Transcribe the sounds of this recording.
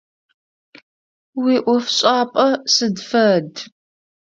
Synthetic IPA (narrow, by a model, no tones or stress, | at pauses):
wiːʔʷɔfɕʼaːpʼɐsɨdfɐd